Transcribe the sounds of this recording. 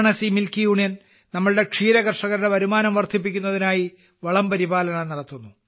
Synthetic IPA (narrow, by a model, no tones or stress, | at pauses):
ɳɐsimilkijuːɳijɐn | nɐmːɐɭɨɽe̞kʂiːɾɐɣɐrʂɐɣɐɾɽeʋɐɾumaːnɐmʋɐrt̪ʰːip̬ːikʲːunːɐðinaːji | ʋɐɭɐmbɐɾibaːlɐɳɐnɐɽɐt̪ːunːu